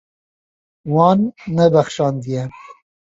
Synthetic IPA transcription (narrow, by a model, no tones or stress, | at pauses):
wɑːnːɛbæxʃɑːnd̪ijɛ